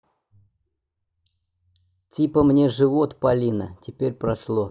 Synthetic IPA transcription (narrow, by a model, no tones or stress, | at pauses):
tʲipəmnʲe̞ʐɨvot̪pɐlʲinə̰tʲɪpʲeɾʲpɾɐʂlˠo